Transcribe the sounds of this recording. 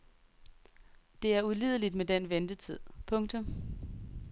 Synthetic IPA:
d̥e̝æɐulḭːð̞ˠəlid̥med̥enʋend̥ət͡sʰið̰ˠpʰɔ̽ŋt͡sʰɔ̽m

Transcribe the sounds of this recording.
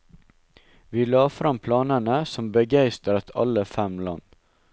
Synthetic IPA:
ʋiːlɑːfɾɑmpʰlɑːnənəsɔmbəɡæɪst̪əɾɑt̪ʰɑ̰ləfɛmlɑ̰n

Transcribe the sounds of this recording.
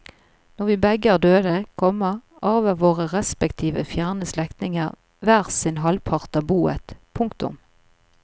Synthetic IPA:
nɔʁʋiːbɛɡəɑd̪øːd̪əkʰɔməʁ | ɑːʋəʋoːʁəʁɛspɛkt̪ʰiːʋəfjæːʁnəslɛkt̪nɪŋəʁ | ʋæːʁsɪnɦɑlpʰɑʁt̪ɑbuːə̰t̪pʰʊŋkt̪ʊ̰m

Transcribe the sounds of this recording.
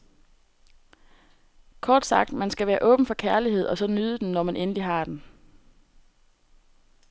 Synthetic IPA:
kʰɒːd̥sɑ̈ɡ̥̚d̥mænsɡ̥æʋæːɐʔɔ̽ːb̥n̩fɒ̽kʰæɐliɦe̝ð̞̰ˠɒ̽sɒ̽nyːð̞ˠəd̥enːɒmænʔenliɦɑ̈d̥en

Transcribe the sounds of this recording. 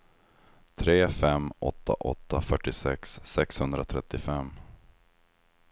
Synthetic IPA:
t̪ʰɾeːfɛmɔ̰t̪ʰːa̰ʔɔ̰t̪ːafœʈːɪsɛksːɛkshɵnd̪ɾat̪ʰɾɛt̪ːɪfɛmː

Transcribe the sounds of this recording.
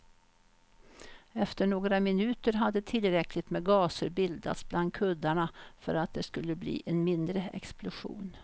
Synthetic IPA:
ɛft̪əɳoːɡɾamɪnʉ̟ːt̪əɾɦad̪ːət̪ʰɪlɾɛklɪt̪mɛɡɑːsəɾbɪld̪a̰t̪sbland̪̚kʰɵd̪ːaɳafœ̰ɾat̪̚d̪ɛskɵlːəblḭːʔɛnmɪnd̪ɾəɛ̰ksplʊɧṵːn

